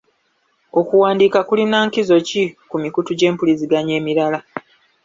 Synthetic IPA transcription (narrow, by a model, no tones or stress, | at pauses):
o̞kuwaːndiːkakulinaːŋkizo̞cikumikutuɟe̞ːmpuliziɡaɲe̞ːmiɾala